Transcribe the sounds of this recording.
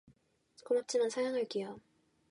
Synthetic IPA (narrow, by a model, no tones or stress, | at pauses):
komap̚t͡ɕ͈imansʰajaŋɦaɭk͈ijʌ